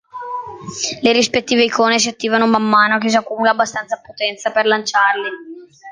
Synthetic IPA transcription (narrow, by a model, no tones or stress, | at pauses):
leɾispet̪ːiːveikoːnes̬iat̪ːiːvanomamːaːnokes̬akːumulaːbːast̪ant̪sapot̪ɛnt̪saperlant͡ʃarli